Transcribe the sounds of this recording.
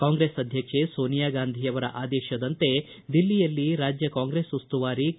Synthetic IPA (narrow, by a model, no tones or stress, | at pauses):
kaːŋɡɾeːsɐd̪ʱjɐkʂesoːnijaːɡaːnd̪ʱijɐʋɐɾɐ̰ʔaːd̪ɛːʃɐd̪ɐnt̪e̞ | d̪ilːijɐlːiɾaːd͡ʒjɐkaːŋɡɾesust̪uʋaːɾi